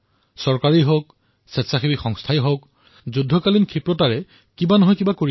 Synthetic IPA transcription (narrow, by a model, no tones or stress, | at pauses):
sɔɹkaɹiɦok | sɛsaxʰibixɔŋstʰajɦok | zudʱːɔkalinkʰipɹɔtaɹɛ | kibanɔɦɔjkibakoɹi